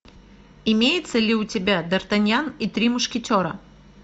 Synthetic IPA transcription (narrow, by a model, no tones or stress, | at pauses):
ɪmʲejɪt̪səlʲɪʊtʲɪbʲad̪ɐrt̪ɐnʲjanit̪ɾʲimʊʂkʲɪtʲoɾə